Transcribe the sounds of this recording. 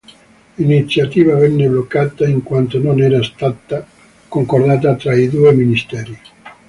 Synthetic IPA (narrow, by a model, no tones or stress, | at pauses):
init̪sːjat̪iːvavɛnːeblokːaːt̪aiŋkwant̪ononɛːɾast̪at̪a | koŋkord̪aːt̪̬at̪ɾaid̪uːeminist̪ɛːɾi